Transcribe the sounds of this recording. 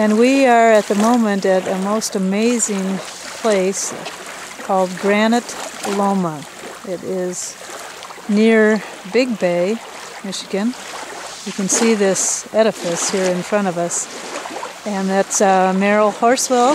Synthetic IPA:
ɨ̃nwiə˞ɨt̪̚ðɨmõʊ̃mɨ̃ntɨɾɨmoʊstɨmeɪzɪ̃ŋ | pʰl̥eɪs | kʰɔlˠd̚ɡɹænɨtlõʊ̃mə | ɪɾɪz̥ | nɪɹ | bɪɡ̚beɪ | mɪʃɨɡɨ̃n | jɨkɨ̃nsiðɪsɛɾɨfɨshiɹɨ̃nfɹʌ̃ɾ̃ʌvʌs | ɨ̃nðætsmɛɹl̩ˠhɔɹswɛlˠ

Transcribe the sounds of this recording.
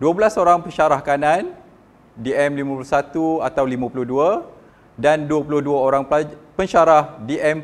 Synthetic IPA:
duablasoɾaŋpəɲʃaɾahkanãn | diɛmlimãpulusat̪uat̪awlimãpulʊhdua | danduwapulʊhduaoɾaŋpəɲʃaɾahdiʔɛm

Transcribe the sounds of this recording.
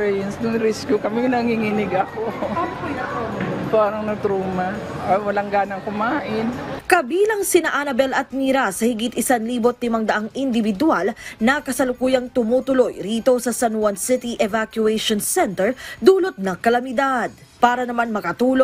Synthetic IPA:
ɛjɐnsnʊŋɾɪskjukɐmɪŋnɐŋiŋɪnɪɡɐkookɐjɐopaːɾɐŋnɐɡ̚t̪ɾuːmɐ | wɐlaŋɡaːnɐŋkʊmaːʔɪnkɐbiːlɐŋsɪnaʔanɐbɛlɐt̪̚miɾasɐhɪɡɪt̪ɪsanliːbot̪lɪmɐŋd̪ɐʔaŋɪnd̪ɪvɪd̪ʊalnɐkɐsɐlʊkuːjɐŋt̪ʊmuːt̪ʊlo̞jɾiːt̪o̞sɐsɐnwɐnsɪt̪iʔɛvakjʊɛjʃonsɛnt̪ɛɹd̪uːlot̪̚nɐŋkɐlɐmɪd̪ad̪̚ | paːɾɐnɐmanmɐkɐt̪uːlo

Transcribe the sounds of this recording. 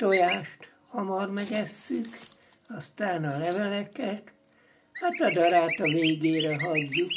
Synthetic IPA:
t̪ojaːʃt̪ | hɒmɒrmɛɡɛsːykɒst̪aːnɒlɛvɛlɛkɛt̪ | hat̪ɒd̪ɒɾaːt̪ɒveːɡeːɾɛɦɒɟːuk

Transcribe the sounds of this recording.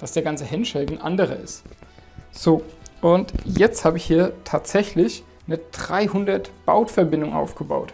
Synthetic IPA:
d̥asd̥eːɐɡant͡səhɛnʃɛldn̩ʔa̰ndəʁə̰ɪ̰st | z̥oːʔʊntjɛt͡sthaːbəɪçhiːɐtʰaːtz̥ɛçlɪç | nəd̥ʁaɪhʊndɐtb̥a̰ʊtfɛɐbɪndʊŋʔa̰ʊfɡ̥əba̰ʊt

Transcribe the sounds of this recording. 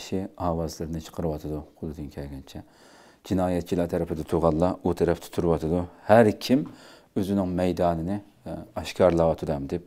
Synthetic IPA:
ʃiɑːwɑzlˠɨɾɨnɨt͡ʃʰə̥qʰəɾɨwɑt̪ʰɨd̪uqʰolˠɨd̪ɨnkʲʰɛlɡʲɛnt͡ʃʰɛ | d͡ʒinɑːjɛt̪̚t͡ʃʰilˠɑt̪ʰɛɾɛpʰɪd̪ɪt̪ʰuʁɑlˠːɑut̪ʰɛɾɛpt̪ʰɪ̥t̪ʰuɾɨwɑt̪ʰɨd̪uhæɾkʲʰim | øzynɪŋmɛjd̪ɑːnɨnɨ | ɑʃkʰɑɾlˠɑwɑt̪ʰɨd̪ɑmd̪ɪp̚

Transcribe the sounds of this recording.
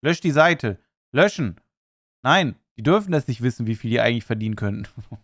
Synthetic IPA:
lœʃd̥iːzaɪtʰə | lœʃn̩ | naɪnd̥iːdʏɐfn̩ɛsnɪçtv̥ɪsn̩viːfiːldiːʔaɪɡŋ̩tlɪçfɛɐdiːnənkʰœntn̩

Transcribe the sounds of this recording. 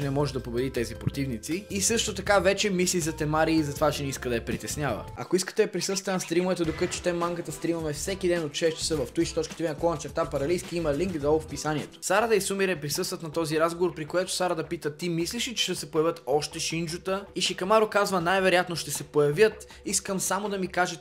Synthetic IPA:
ɛnɛmɔʒɛd̪ɐpobɛd̪it̪ɛzipɾot̪ivnit̪siisɤʃt̪ot̪ɐkavɛt͡ʃɛmislizɐt̪ɛmaɾiːzɐt̪ovat͡ʃɛnɛiskəd̪ɐjɛɐpɾit̪ɛsnʲavə̰ɐ̰koiskə̥t̪ɛɐpɾisɤst̪vənɐst̪ɾimʊvɛt̪ɛd̪okət̪t͡ʃɛ̥t̪ɛmːaŋkət̪əst̪ɾimɐmɛfsɛkid̪ɛnot̪ʃɛʃt̪i̥səvɐft̪uit͡ʃt̪ɔt͡ʃkət̪ɛvinɐkɔnɐt͡ʃɛɾt̪apɐɾɐlijskiimɐliŋkd̪ɔlˠfpisanʲiɛt̪o̥saɾəd̪ɐisumiɾɛpɾisəst̪vət̪nɐt̪ɔziɾazɡovoɾpɾikoɛt̪o̥saɾəd̪ɐpit̪ət̪imisliʃit͡ʃɛ̥ʃt̪ɛsɛpojɐvʲjət̪ɔʃt̪ɛʃind͡ʒʊt̪əiʃikɐmaɾokazvənajvɛɾojat̪noʃt̪ɛsɛpojɐvʲjət̪ | iskəmsamod̪ɐmikaʒɛ

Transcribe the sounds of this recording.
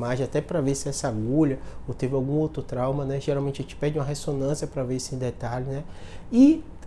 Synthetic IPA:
maʒẽat̪ɛpɾɐvesɪɛsaɡuʎɐot̪evɪawɡũowt̪ɾʊt̪ɾawmɐnɛʒeɾawmẽnt͡ʃɪet͡ʃɪ̥pɛɾd͡ʒũmɐɦesonɐ̃siɐpɾɐvesɪẽd̪et̪aʎʊnɛɪ

